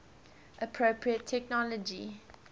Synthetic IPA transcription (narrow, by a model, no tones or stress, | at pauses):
ʔəpʰɹopʰɹiətʰːɛknɔləd͡ʒi